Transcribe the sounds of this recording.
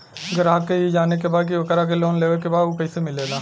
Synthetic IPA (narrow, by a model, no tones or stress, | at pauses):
ɡəɾaːkːeid͡ʒaːneːk̬eːbaːd̪k̬iokəɾaːk̬eloːnleːʋekeːbaːd̪oːkəiseːmɪleːd̪aː